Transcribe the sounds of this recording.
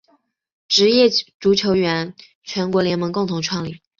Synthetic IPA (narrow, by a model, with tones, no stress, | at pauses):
ʈ͡ʂɻ̩˧˥jɛ˥˩ʈ͡ʂu˧˥t͡ɕʰjo˧˥ʊɥɛ˧˥n | t͡ɕʰɥɛ˧˥nkwɔ˧˥ljɛ˧˥nmɤ˧˥ŋkʊ˥˩ŋt̪ʰʊ˧˥ŋʈ͡ʂʰwɑ˥˩ŋli˨˩˦